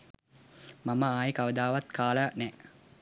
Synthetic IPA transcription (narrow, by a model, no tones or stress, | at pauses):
maməaːjəkaʋəd̪aːʋat̪kaːlənɛ